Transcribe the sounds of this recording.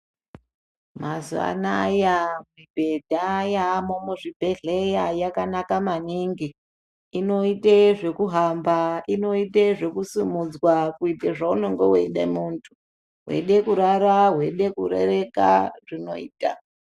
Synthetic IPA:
mazua̰naːjamwibʱe̞dʱajamomuʐibʱe̞ɮejajakanakamaniŋɡiː | no̞iteʐe̞kuɦambaino̞iteʐe̞kusimud͡zwakuiteʐaunoŋɡoweiɗa̰muntʰu̥ | ɦwḛɗekuɾaɾaɦwe̞ɗe̞kurḛre̞ka̰ʐ̥ino̞̰ḭːta̰

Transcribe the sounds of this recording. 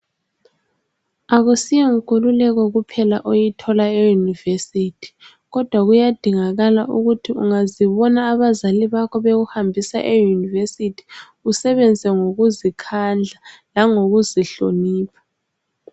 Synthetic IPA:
aɣusijɛŋ̩kʰʼululɛɣɔɣupʰɛlaʔojitʰɔlaejunivesitʰi̥ | ɣɔd̥ʱwaɣujad̥ʱiŋaɣala̰ʔuɣutʰiuŋaziβɔnaːβazaliβakʰɔβeɣuhambʱisa̰ʔejunivesitʰi̥ | usɛβɛnd͡zʱɛŋoɣuzikʰand͡ɮʱalaŋoɣuziɬoniːpʰḁ

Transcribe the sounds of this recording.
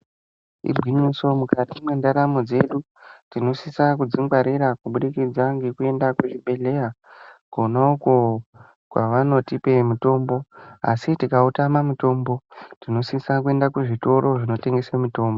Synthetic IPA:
ḭbʱiɲiso̞mukatimwendaɾamod͡ze̞ɗu | tino̞sisak̬ud͡ziŋɡwaɾiɾakuɓuɗikid͡zaŋɡe̞kue̞ndakuʐiɓe̞ɮe̞ja | konauko | kwaʋano̞tipe̞muto̞ːmbo̞a̰sitikautamamuto̞mbo̞tino̞sisakue̞ndakuʐito̞ɾo̞ʐino̞te̞ŋɡe̞samuto̞ːmbo

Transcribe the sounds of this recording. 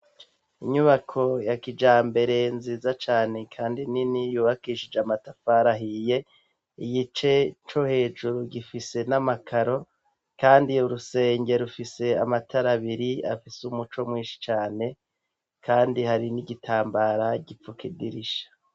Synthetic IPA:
ḭɲuβakʰo̞jakid͡ʒaːmbe̞ɾe̞nziːzat͡ʃaːne̞kʰaːndininijuːβakiʃid͡ʒeamatafaɾaɦije̞ | ijit͡ʃe̞t͡ʃo̞he̞ːd͡ʒuɾuɡifise̞namakʰaɾo̞ | kaːndiuɾuse̞ːɲɟe̞ɾufise̞amatʰaɾaβiɾia̰fisumut͡ʃo̞mwŋiːnʃi̥t͡ʃaːne̞ | kaːndihaɾiniɡitʰaːmbaɾaɟip͡fukidiɾiʃḁ

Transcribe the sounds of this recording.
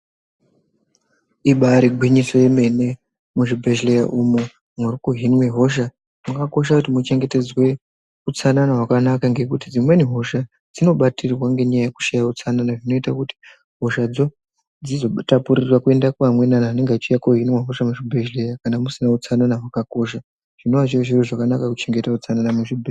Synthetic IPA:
iɓaɾiɡʱwiɲiso̞je̞me̞ne̞ | muʐibʱe̞ʒlejaʔumu | mwurikuɦinweɦo̞ʃ̬a | mukako̞ʃ̬akutimut͡ʃe̞ŋɡe̞te̞d͡zwe̞ | ut͡sananaɦwakanakaŋɡe̞kutid͡zimwe̞niɦo̞ʃa | d͡zino̞ɓatirwaŋɡe̞ɲajajeku̥ʃajaut͡sananaʐino̞itakuti̥ | ɦo̞ʃad͡zo̞ | d͡zizo̞tapuɾirwakue̞ndakuamwe̞nanaɦːneŋɡat͡ʃijakoɦinweɦo̞ʃamuʐibʱeʒlejakanamusinaut͡sananaɦwakako̞ʃa | ʐ̥ino̞ʋat͡ʃioʐiroʐakanakakut͡ʃe̞ŋɡe̞taut͡sananamuʐibʱe

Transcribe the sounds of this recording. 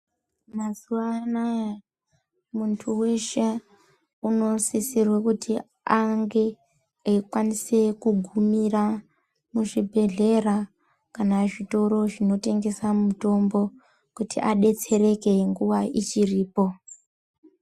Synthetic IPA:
mazuʋanaja | muntʰuwe̞ʃe̞ | uno̞sisirwekuti | aŋɡe̞ | ekwanise̞kuɡʱumira | muʐibʱe̞ɮe̞ra | kanaʐito̞ɾo̞ʐino̞te̞ŋɡe̞samuto̞mbo̞ | kutḭʔaɗe̞t͡se̞ɾe̞ke̞ŋɡuʋait͡ʃiriːpo̞

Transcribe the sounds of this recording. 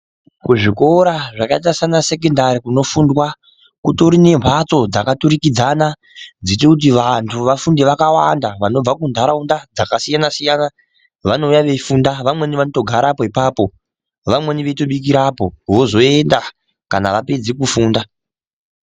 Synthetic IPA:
kuʐiko̞ɾaʐakait̬asanase̞kendaɾikuno̞fundwa | kutoɾine̞mʰʱwat͡so̞d͡zakaturikid͡zana | d͡zitekut̬iʋantʰuʋafundeʋakawandaʋano̞b͡vakundʱaɾaundad͡zakasijanasijana | ʋano̞ujaʋe̞fundaʋamwe̞niʋanoto̞ɡʱaɾapo̞ipaːpo̞ | ʋamwe̞niʋeto̞ɓik̬iɾapo̞ʋozo̞e̞nda | kanaʋape̞d͡zikufuːnda

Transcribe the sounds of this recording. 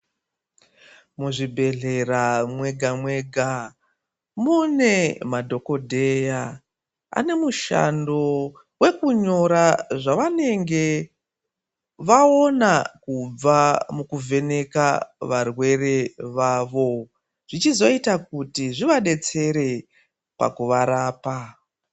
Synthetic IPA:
muʐibʱe̞ɮe̞ramwe̞ɡʱamwe̞ɡʱa | mune̞madʱo̞ko̞dʱeja | a̰ne̞muʃa̰ndo̞ | we̞kuɲo̞ɾaʐaʋane̞ŋɡe̞ | ʋao̞nakub͡vamukuvʱe̞ne̞kaʋarwe̞re̞ʋaːʋo̞ | ʐ̥it͡ʃizo̞itakutiʐiʋaɗe̞t͡se̞ɾe̞ | pa̰kuʋaɾaːpa

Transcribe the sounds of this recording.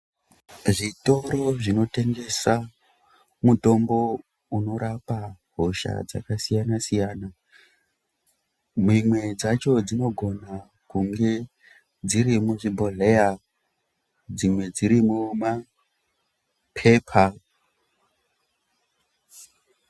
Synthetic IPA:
ʐito̞ɾo̞ʐino̞te̞ŋɡe̞sa | muto̞mbo̞ | uno̞ɾapaɦoʃa̰d͡za̰kasijanasijaːna | mimwe̞d͡zat͡ʃo̞d͡zino̞ɡʱo̞na | kuŋɡe̞ | d͡ziɾimuʐibʱolea | d͡zimwe̞d͡ziɾimuma | pʰe̞ːpʰa

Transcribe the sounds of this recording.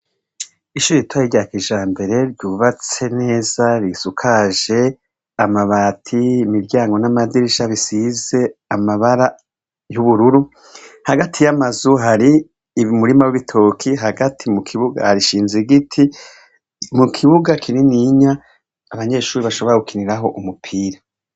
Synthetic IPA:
iʃuːɾiitwajiɟakiʒaːmbe̞ɾe̞ɾɟuːβat͡se̞ne̞ːzaɾisukʰaʒe̞ | amaβaːtʰiːmiɾɟaːŋɡo̞namadiɾiʃaβisize̞amaβaɾa | juβuɾuɾu | haɡatʰijamazuɦaɾi | muɾimawiβitʰokʰiɦaɡatʰimukʰiβuɡa̰haɾiʃiːnzeɡitʰi | mukʰiβuɡakʰininiɲaː | βaɲe̞ːʃuːɾiβaʃo̞βo̞ɾaɡukiniɾaɦo̞ʔumupʰiːɾa

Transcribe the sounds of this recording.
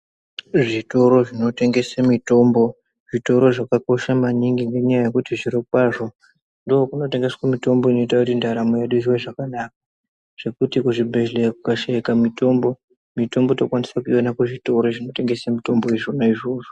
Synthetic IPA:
ʐito̞ɾo̞ʐino̞te̞ŋɡe̞samito̞mbo̞ | ʐito̞ɾo̞ʐakako̞ʃamaɲiŋɡiŋɡe̞ɲajaje̞kutiʐiɾokwaːʐo̞ | ndoːkuno̞te̞ŋɡe̞swamito̞mbo̞ino̞itakutindaɾamojaɗuʐiweʐakanak̚ḁ | ʐ̥e̞kutikuʐibʱe̞lekukaʃeikamito̞mbo̞ | mito̞mbo̞tokwanisakuiwanakuʐito̞ɾo̞ʐino̞te̞ŋɡe̞samito̞mbo̞iʐonaiʐoːʐo

